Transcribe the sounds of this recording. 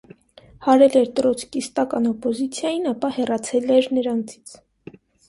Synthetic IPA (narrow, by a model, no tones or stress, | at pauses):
hɑɾɛlɛɾt̪əɾɔt͡sʰkist̪ɑkɑnɔpɔzit͡sʰjɑjinɑpɑhɛrɑt͡sʰɛlɛɾnəɾɑnt͡sʰi̥t͡sʰ